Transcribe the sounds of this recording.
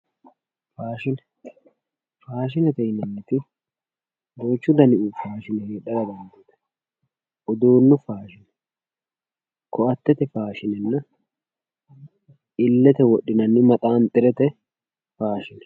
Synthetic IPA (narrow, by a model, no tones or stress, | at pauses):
faːʃɪnɛ | faːʃ̬ɪnɛt̪ɛɪnːɐnːɪt̪ɪ | boːt͡ʃːʊd̪ɐnɪʔuːfaːʃɪnɛheːɗɐɾɐd̪ɐnd̪eːt̪ɐ̥ | ʔʊd̪oːnːʊfaːʃɪnɛ | kʰɔʔɐt̪ːɛt̪ɛfaːʃɪnɛnːɐ | ɪlːɛt̪ɛwɔɗːɪnɐnːɪmɐt̪ʼaːnt̪ʼɪɾɛt̪ɛ | faːʃɪnɛ̥